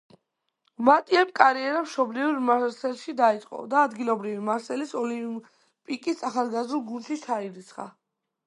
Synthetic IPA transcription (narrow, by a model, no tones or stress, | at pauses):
mat̪ʼiɛmkʼaɾiɛɾamʃɔbliuɾmaɾsɛlʃid̪ait̪sʼqʼɔ̰d̪aːd̪ɡilˠɔbɾivimaɾsɛlisɔli | pʼikʼisaχalˠɡazɾulˠɡunʃit͡ʃʰaiɾit̪sʰχa̰